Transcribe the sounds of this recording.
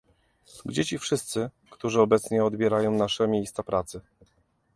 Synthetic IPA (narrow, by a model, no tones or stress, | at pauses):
ɡd͡ʑet͡ɕifʂɘst̪sɘ | kt̪uʐɘɔbɛt̪sɲɛɔd̪bʲjɛɾajɔ̃w̃naʂɛmʲjejst̪sapɾat̪sɘ